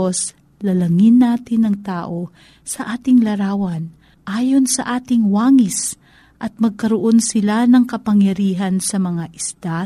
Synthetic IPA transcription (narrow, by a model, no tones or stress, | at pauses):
os | lɐlɐŋɪnːaːt̪ɪnɐŋt̪aːʔo̞ | sɐʔaːt̪ɪŋlɐɾaːwɐn | ʔaːjo̞nsɐʔaːt̪ɪŋwaːŋɪs | ʔɐt̪̚mɐɡ̚kɐɾoʔo̞nsɪlanɐŋkɐpɐŋjɐɾiːɦɐnsɐmɐŋaʔɪsd̪a